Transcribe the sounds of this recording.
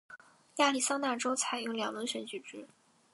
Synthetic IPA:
ja˥˧li˥˩sɑ˥ŋna˥˩ʈ͡ʂo˥ʊt͡sʰa˨˧˩ɪjo˧˥ʊljɑ˨˩ŋlwə˧˥nɕɥɛ˧˥nt͡ɕy˨˩ʈ͡ʂɻ̩˥

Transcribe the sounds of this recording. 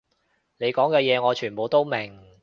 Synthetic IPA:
ne˨˧jkɔː˨˥ŋkɛː˧jɛː˨˧ŋɔː˨˧t͡ʃʰyː˨˩npo˨˧wt̪o˥wmɪ˨˩ŋ

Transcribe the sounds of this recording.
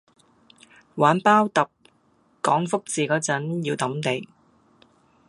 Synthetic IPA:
waː˨˥npaː˥wt̪ɐ˨p̚ | kɔː˨˥ŋfʊ˥k̚t͡siː˨kɔː˨˥t͡sɐ˨˥njiː˧wt̪ɐ˨˥mt̪e˨˧j

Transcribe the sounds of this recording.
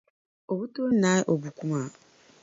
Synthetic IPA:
o˨bu˦to˦na˨˦ʔo˨bu˨kʷu˦ma˦˨

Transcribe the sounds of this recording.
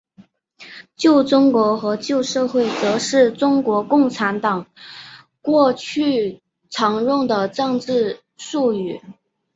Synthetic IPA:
t͡ɕjo˥˩ʊʈ͡ʂʊ˥ŋkwɔ˧˥xɤ˧˥t͡ɕjo˥˧ʊʂɤ˥˧xwe˥˩ɪt͡sɤ˧˥ʂɻ̩˥˩ʈ͡ʂʊ˥ŋkwɔ˧˥kʊ˥˩ŋʈ͡ʂʰa˧˥nt̪ɑ˨˩˦ŋ | kwɔ˥˧t͡ɕʰy˥˩ | ʈ͡ʂʰɑ˧˥ŋɻʊ˥˩ŋd̪ə˩ʈ͡ʂɤ˥˧ŋʈ͡ʂɻ̩˥˧ | ʂu˥˧y˨˩˦

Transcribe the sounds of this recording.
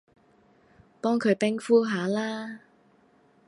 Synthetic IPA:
pɔː˥ŋkʰɵ˨˧ɥpɪ˥ŋfuː˥ɦaː˨˧laː˥

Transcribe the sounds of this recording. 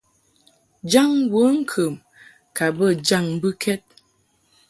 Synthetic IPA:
d͡ʒa˦˨ŋwə˨˦ŋ̩˦kʰə˨m | ka˨bə˦˨d͡ʒa˦˨ŋbɨ˦kʰɛ˦t̚

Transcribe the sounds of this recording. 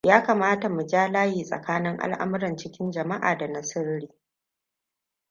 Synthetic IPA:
jaː˦kaː˨maː˦ta˨mu˨d͡ʒaː˦laː˦jiː˨sʼɐ̰˨kaː˦nɪ˦ŋʔa̰˦lʔa̰˦mʊ˦ɾɐ˨nt͡ʃɪ˦kʲɪ˦nd͡ʒɐ˨ma˦ʔa̰ː˨da˨nɐ˨sɐ˦rɾiː˦

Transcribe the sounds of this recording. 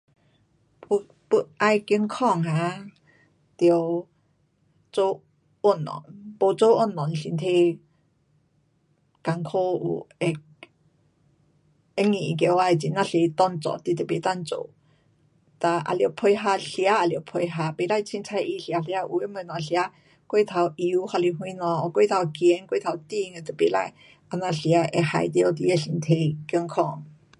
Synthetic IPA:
pu˧ʔʔa˧jki˧˦nkʰɔ˥˧˨ŋha˧˦ | t̪ə˧w | t͡so˧ | o˧˩˨nːɔ̰˨npo˧t͡so˧˦ʔo˥˩˨nːɔ˨nɬi˧nt̪ʰe˧ | ka˧ŋkʰo˧˦ṵ˧˩ɛ˧ | e˦˥ŋi˨i˧˨k̬ɛ˧˨wa˧˨jt͡si˧˨na˧ɬe˧t̪ɔ˧˨nt͡sɔ̰˧˨t̪i˧˨t̪e˨˩be˧˨t͡sa˧˨nt͡so̰˨ | t̪a˧ʔa̰˧˨li˨o˨wpʰo˧jɦa˧ɬi˧a˦a˧˨ljo˨wpʰo˧jɦa˧be˧˨la˧jt͡sʰĩ˧nt͡sʰa˧jʔi˧ɬi˧a˧ɬi˧a˧ʔu˧e˦mə˧˨nɔ̃˨˧˨ɬi˧a˧˦ | kwe˥˨t̪ʰa˧wʔi˧u˧˦ha˧li˧ɦwĩ˧˦nɔ̃˧ɔ˧˨kwe˥˧˨t̪ʰa˧wkjɛ˧˦nkwe˥˧˨t̪ʰa˧wt̪i˧˨˧ŋɛ˧˨t̪e˨pe˧˨la̰˧j | a˧nã˧ɬi˧a˧ʔɛ˧ha̰˧jt̪e˧o˧t̪i˧jɛ˧˨ɬi˧˨nt̪ʰe˧jkjɔ˧ŋkʰɔ˧˨ŋ

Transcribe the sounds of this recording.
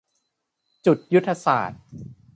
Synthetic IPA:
t͡ɕu˨˩t̪̚ju˦˥t̪ʰːa˧sa̰ː˨˩t̪̚

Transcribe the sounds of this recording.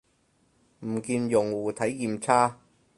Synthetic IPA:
m̩˨˩kiː˧njʊ˨˩ŋwuː˨˩t̪ʰɐ˨˥jkiː˧mt͡sʰaː˥

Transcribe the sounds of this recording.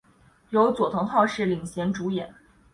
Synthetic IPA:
jo˧˥ʊt͡swɔ˨˩t̪ʰɤ˧˥ŋxʰɑ˥˧ʊʂɻ̩˥˩li˨˩ŋɕjɛ˧˥nʈ͡ʂu˧˥jɛ˨˩˦n

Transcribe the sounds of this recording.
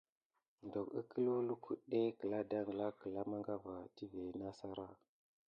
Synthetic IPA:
ndo˨kə˦kʰə˦lu˦lu˦kʰu˦ɗe˦kə˨la˦da˦ŋ˨la˦kə˨la˦ma˦ŋɡa˦va˨ti˦ve˨na˦sa˦ɾa˦˨

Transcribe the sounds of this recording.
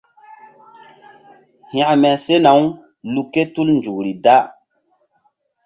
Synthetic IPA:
hĩ˨a˨ʔmɛ˨se˦na˨˦w | lu˨kːe˦tu˦lnd͡ʒu˨ɾi˨da˦

